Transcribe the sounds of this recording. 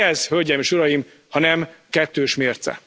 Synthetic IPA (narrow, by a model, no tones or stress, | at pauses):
ɛzhølɟɛmeːʃuɾɒjim | hɒnɛmkɛt̪ːøːʃmeːrt̪sɛ̰